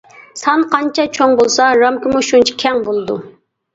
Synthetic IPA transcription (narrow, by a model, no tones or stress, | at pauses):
sɑnqʰɑnt͡ʃʰɑt͡ʃʰoŋbolˠsɑɾɑmkʰɪmuʃunt͡ʃʰi̥kʲʰɛŋbolˠɨd̪u